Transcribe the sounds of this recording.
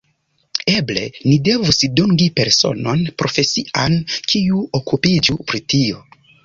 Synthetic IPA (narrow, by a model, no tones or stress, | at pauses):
eble̞̰nide̞vusiduŋɡipe̞ɾso̞̰no̞npɾo̞fe̞siʔankʰiuokupid͡ʒupɾitio